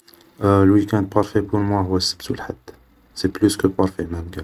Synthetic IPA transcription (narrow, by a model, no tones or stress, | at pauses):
lwikɛ̃nd̪̚pɑɾˤfepuɾmwæɦʊwæsːə̥bsulħad̪̥ː | seplyskəpɑɾˤfemænkæ